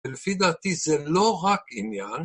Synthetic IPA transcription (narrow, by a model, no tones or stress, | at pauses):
ɪlfid̪at̪izɛlːoɣakinjan